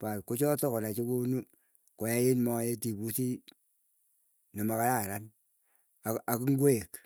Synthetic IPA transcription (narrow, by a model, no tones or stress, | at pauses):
patkot͡ʃɔtɔkɔnat͡ʃikonu | kojajenmɔjetipusi | nɔmakaɾaɾan | aakiŋɡweek